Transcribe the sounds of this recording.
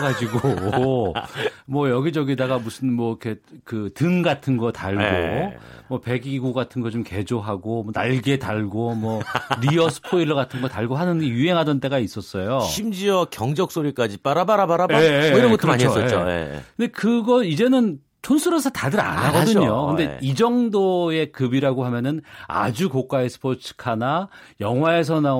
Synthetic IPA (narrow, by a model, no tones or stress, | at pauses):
ɡad͡ʑiɡo | mwʌjʌɡid͡ʑʌɡedaɡamusʰɯnmwʌkʰe̞kɯtɯŋɡatʰɯnɡʌtaɭɡoomwʌpe̞ɡiɡuɡatʰɯnɡʌt͡ɕomke̞d͡ʑoɦaɡomwʌnaɭɡe̞taɭɡomwʌɾiʌsʰɯ̥pʰoiɾɯɡatʰɯnɡʌtaɭɡoɦanɯnɡe̞juɦe̞ŋɦadʌnt͈e̞ɡais͈ʌs͈ʌjoɕʰimd͡ʑiʌkjʌŋd͡ʑʌk̚s͈oɾik͈ad͡ʑip͈aɾabaɾabaɾaeeiɾʌnɡʌomaɲs͈ʌeoḛkkɯnd̪ekɯɡʌid͡ʑe̞nɯn | t͡ɕʰonsʰuɾosʰʌtadɯɾa̰naɡʌdɯɲokɯnde̞id͡ʑʌŋdoe̞kɯbiɾaɡoɦamjʌnɯna̰d͡ʑukok͈aesʰɯ̥pʰot͡ɕʰɯ̥kʰanajʌŋɦwae̞s̬ʰʌna